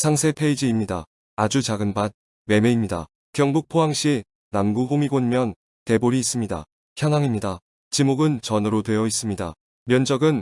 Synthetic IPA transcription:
sʰaŋsʰe̞pʰe̞id͡ʑiːmɲida̰ | ad͡ʑut͡ɕaɡɯnbat̚ | we̞me̞imɲida̰ | kjʌŋbuk̚pʰoɦaŋɕ͈i | namɡuɡoŋiɡoɲmjʌn | te̞boɾiːs͈ɯmɲida̰ | çjʌŋɦaŋimɲida | t͡ɕimoɡɯnt͡ɕʌnɯɾotwe̞jʌis͈ɯmɲida̰ | mjʌnd͡ʑʌɡɯn

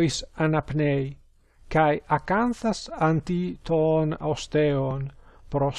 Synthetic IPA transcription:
isanapnej | kajakanθasant̪it̪ona̰wst̪ɛonpɾo

